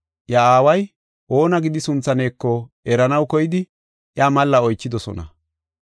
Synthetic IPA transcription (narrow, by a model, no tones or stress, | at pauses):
jɐaːwɐj | ʔo̞ːnɐɡɪd̪ɪsʊnt͡sːɐne̞ːkːɔ | ɛɾɐnɐwkɔjɪd̪ɪ | ʔjaːmɐlːɐɔjt͡ʃːɪd̪ɔsɔ̰nɐ̰